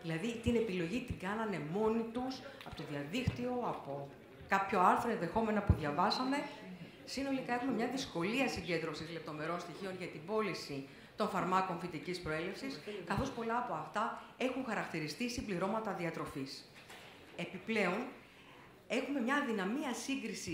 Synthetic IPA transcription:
ðilɐðit̪ine̞pilo̞ʝit̪iɡɐnɐne̞mo̞nit̪usɐpo̞t̪o̞ðiɐðikt̪io̞ɐpo̞ | kɐpço̞ɐɾθɾoe̞nðe̞xo̞me̞nɐpuðʝɐvɐsɐme̞ | sino̞likɐe̞xume̞mɲɐðisko̞liɐsiɲɟe̞nd̪ɾosizle̞p̚t̪o̞me̞ɾo̞nst̪içio̞nʝɐt̪ibo̞lisi | t̪o̞nfɐɾmɐko̞ɱfit̪icispɾo̞e̞le̞fsiskɐθo̞spo̞lɐːpo̞ɐft̪ɐe̞xuŋxɐɾɐkt̪iɾist̪istimbliɾo̞mɐt̪ɐðiɐt̪ɾo̞fis | e̞piple̞o̞n | e̞xume̞mɲɐðinɐmiɐsiŋɡɾisi

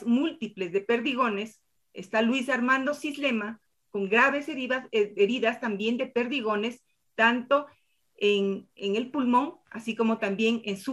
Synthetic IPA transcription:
zmult̪iple̞zðe̞pe̞ɾðiɣo̞ne̞s | ḛst̪alwisaɾmãnd̪o̞sizle̞ma | ko̞ŋɡɾaβe̞seeɾiðast̪ambje̞nd̪e̞pe̞ɾðiɣ̞o̞ne̞s | t̪ant̪o̞ | eŋeŋe̞lpulmõ̞ŋa̰siko̞mo̞t̪ambje̞ŋensu

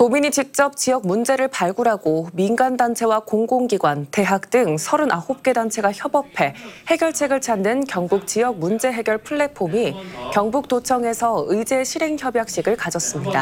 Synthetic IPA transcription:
tomiɲit͡ɕik̚t͡ɕ͈ʌp̚t͡ɕijʌk̚mund͡ʑe̞ɾɯɭpaɭɡuɾaɡominɡandant͡ɕʰe̞wakoŋɡoŋɡiɡwante̞ɦak̚t͈ɯŋsʰʌɾɯnahop̚k͈e̞dant͡ɕʰe̞ɡaçjʌbʌpʰe̞he̞ɡjʌɭt͡ɕʰe̞ɡɯɭt͡ɕʰanːɯnkjʌŋbuk̚t͡ɕ͈ijʌk̚mund͡ʑe̞ɦe̞ɡjʌɭpʰuɭːe̞pʰomikjʌŋbuk̚t͈ot͡ɕʰʌŋe̞sʰʌɯid͡ʑe̞ɕʰiɾe̞ŋçjʌbjak̚ɕ͈iɡɯɭkad͡ʑʌs͈ɯmɲida̰

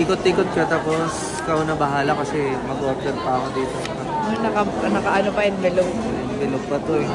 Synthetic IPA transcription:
iːkot̪̚ːiːkot̪̚kɐt̪aːpo̞s | kɐonɐbɐɦaːlɐkɐsɛmɐɡop̚t̪ɛɾpɐɐkod̪iːt̪oɐkɐonɐkɐnɐkɐʔɐnopɐɪnbɛloɡ̚ | ɛnbɛloɡ̚pɐt̪oɛ

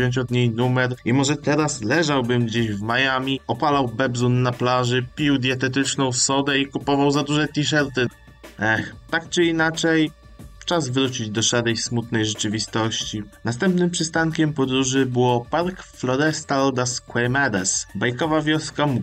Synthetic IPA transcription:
ɔ̃ɲt͡ɕɔd̪ɲejnumɛɾimɔʐɛt̪ɛɾaslɛʐawbɘmɡd͡ʑeɕvmajamʲiɔpalawbɛbzunːaplaʐɘpʲiwd̪ʲjɛt̪ɛt̪̬ɘt͡ʂnɔ̃w̃fsɔd̪ɛikupɔvawzad̪uʐɛt̪ʲiʂ̬ɛɾt̪ɘ | ɛxt̪ak̚t͡ʂɘinat͡ʂɛj | t͡ʂazvɾut͡ɕid͡ʑd̪ɔʂaɾɛjsmut̪nɛjʐɛt͡ʂɘvʲist̪ɔɕt͡ɕinast̪ɛmpnɘmpʂɘst̪aŋkʲɛmpɔd̪ɾuʐɘbɘwɔpaɾkflɔɾɛst̪alɔd̪askwɛjmɛɾɛsbajkɔvavʲjɔskamu

